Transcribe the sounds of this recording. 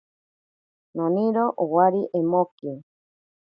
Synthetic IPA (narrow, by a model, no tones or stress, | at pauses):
nõnĩɾoʔowaɾiʔemoki